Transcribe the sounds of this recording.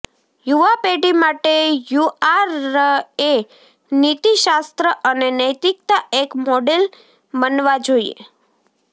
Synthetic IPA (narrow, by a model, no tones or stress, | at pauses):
juʋapeɖimaʈejuaɾ | e | nit̪iʃast̪ɾəʔənenəjt̪ik̚t̪aekmoɖel | mənʋad͡ʒoiḛ